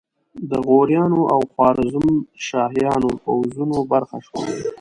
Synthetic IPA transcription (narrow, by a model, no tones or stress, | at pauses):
d̪əɣoɾjɑnoʔawxwɑɾɪzumʃɑːɦjɑnopawzunobaɾxaʃwo̰lei